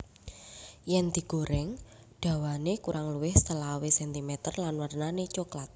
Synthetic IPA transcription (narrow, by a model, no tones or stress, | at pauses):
jɛnd̪̥i̤ɡ̥oɾɪŋ | ɖ̥a̤wanekuɾʔaŋluwɪhst̪əlawesɛnt̪imɛt̪ərlanwərnanet͡ʃoklat̪̚